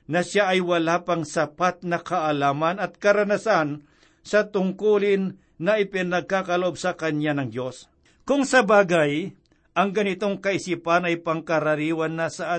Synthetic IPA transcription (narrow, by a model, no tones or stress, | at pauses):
nɐʃaʔɐjwɐlapɐŋsɐpat̪̚nɐkɐʔɐlaːmɐnɐt̪̚kɐɾɐnɐsan | sɐt̪ʊŋkuːlɪnː | ɐʔɪpɪnɐɡ̚kakɐloʔo̞bsɐkɐɲanɐŋd̪o̞s | kʊŋsɐbaːɡɐj | ʔɐŋɡɐnɪt̪o̞ŋkɐʔɪsiːpɐnɐjpɐŋkɐɾɐɾiːwɐnːɐsɐʔa